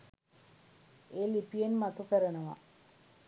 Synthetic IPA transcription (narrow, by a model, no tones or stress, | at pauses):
eːlipijenmat̪ukəɾənəʋa̰